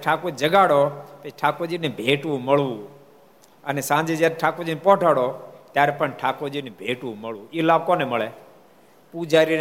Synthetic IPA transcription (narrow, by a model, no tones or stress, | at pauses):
ʈʰaːkoːd͡ʒəɡaːɽoːt̪eʈʰaːkoːd͡ʒinebʱeːʈʋũməɭʋũː | ənesãːd͡ʒeːd͡ʒjaːɾeʈʰaːkoːd͡ʒinepɔ̃ʈʰaːɽot̪jaːɾepəɳʈʰaːkod͡ʒinebʱeːʈʋũːməɭũːiːlaːbkoːneməɭeː | pud͡ʒaːɾi